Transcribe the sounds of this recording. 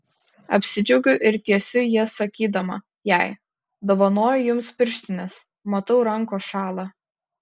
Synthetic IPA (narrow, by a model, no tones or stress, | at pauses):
ɐpʲsʲɪd͡ʒʲɛʊɡʲʊʔɪɾt̪ʲiɛsʲʊjiɛsɐkʲiːd̪ɐmɐ̰ | jæˑɪ | d̪oːʋɐnoːjʊjʊmspʲɪɾʲʃʲt̪ʲɪnʲɛs | mɐt̪ɐʊɾɐŋˑkoːʃɑːlˠɑː